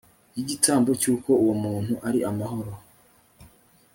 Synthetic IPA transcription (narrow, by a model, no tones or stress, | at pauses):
jiɟitʰaːmbo̞cuːko̞uwumuːn̥huʔaɾiʔamaɦo̞ɾo